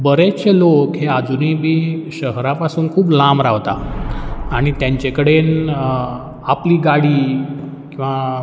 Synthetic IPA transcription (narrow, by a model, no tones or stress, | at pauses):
bəɾet͡ɕelokɦead͡zuniːbʱiːɕəɦɾapasuːnkʰuːplamɾaʋt̪a̰ | aɽ̃it̪jãɲt͡ɕekəɽen | apliːɡaɽiː | kĩw̃ʋa